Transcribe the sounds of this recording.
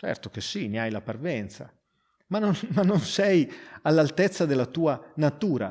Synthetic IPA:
t͡ʃɛ̰rt̪ok̟esːiniajlaparvɛnt̪sa̰ | manonmanːonsɛjalːalt̪ɛt̪sːad̪elːat̪uːanat̪uːɾa̰

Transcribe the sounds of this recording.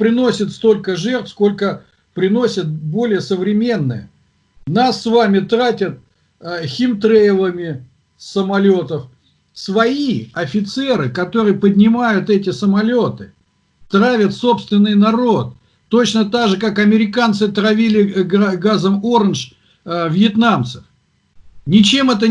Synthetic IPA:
pɾʲɪno̞sʲɪt̪st̪o̞lʲkəʐɛrt̪fsko̞lʲkə | pɾʲɪnosʲət̪̚bo̞lʲɪjəsəvɾʲɪmʲe̞nːɨ̰jə̰ | nasːvamʲɪt̪ɾatʲət̪̚ | xʲɪmt̪ɾejvˠəmʲɪ | səmɐlʲot̪əf | svɐiɐfʲɪt̪sɛɾɨkɐt̪o̞ɾɨjəpədʲnʲɪmajʊt̪ɛt̬ʲɪsəmɐlʲo̞t̪ɨ | t̪ɾavʲət̪so̞pst̪vʲɪnːɨjnɐɾo̞t̪̚ː | o̞t͡ɕnət̪aɡʐɨkakɐmʲɪɾʲɪkant̪sɨt̪ɾɐvʲilʲɪɡɡazəmoɾənʐ | vjɪt̪namt̪sə̥f | nʲɪt͡ɕe̞mɛt̪̬ə

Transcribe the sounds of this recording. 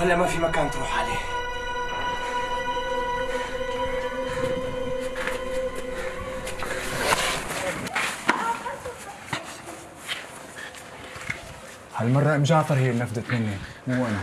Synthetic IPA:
hɪlːamafimakaːnt̪ɾuːħʕaleːh | halmɑrˤːɑmɪʃ̬ɑʕt̪ˤɑɾˤhiːlnafd̪at̪mɪnːimʊwʔana

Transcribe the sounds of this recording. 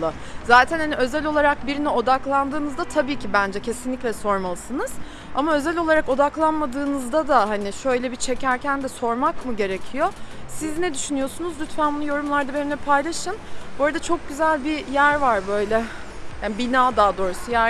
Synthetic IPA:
ɯ | zaːt̪ʰænhaniø̞zɛlʲo̞lˠaɾak̚biɾinɛo̞d̪aklˠand̪ɯːnɯzd̪at̪ʰabiːcʰibænd͡ʒɛcʰe̞sinlʲicʲlʲɛso̞ɾmalˠɯsɯnɯz̥ | amaø̞zɛlʲo̞lˠaɾako̞d̪aklˠanmad̪ɯːnɯzd̪ad̪aɦanɪʃø̞jlʲɛbit͡ʃʰe̞cæɾcʰænd̪ɛso̞ɾmakmɯɟe̞ɾecʰijo̞siznɛd̪yʃynyjo̞sunuzlʲyt̪fænbonujo̞ɾumlˠaɾd̪abeɾinɛpʰajlˠaʃɯnboɾad̪at͡ʃʰo̞k̚ɟyzælʲbijæɾvaɾbø̞jlʲɛ | jjaːnbinaːd̪aːd̪o̞ːɾusujæɾ

